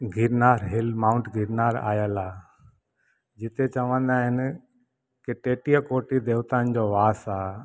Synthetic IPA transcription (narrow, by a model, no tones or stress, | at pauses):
ɡʱɪɾnaːɾɦɪlmaʊ̃ɳʈɡʱɪɾnaːɾa̰ːjəlaː | d͡ʑɪt̪et͡ɕɐʋə̃nd̪aːɦɪn | kɪʈeːʈijəkoːʈid̪eːʋt̪and͡ʑoːʋaːsaː